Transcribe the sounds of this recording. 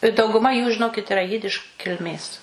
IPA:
ɪ dɐʊɡʊˈmɐ juː ʒʲɪˈnoːkʲɪt ɪˈrɐ ˈjɪdʲɪʃ kʲɪlʲˈmʲeːs

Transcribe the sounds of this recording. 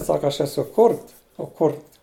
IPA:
ˈsɑːkɐ ɐʃ ˈæːsʊ ˈkʊrt oː ˈkʊrt

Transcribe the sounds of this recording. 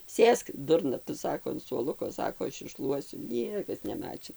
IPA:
ˈsʲeːsk ˈdʊrnɐ tʊ ˈsɑːkoː ɐn suɔˈlˠʊkoː ˈsɑːkoː ˈɐʃ ɪʃˈʃlˠuɔsʲʊ ˈnʲiɛkɐs nʲɛˈmɑːt͡ʃʲɪn

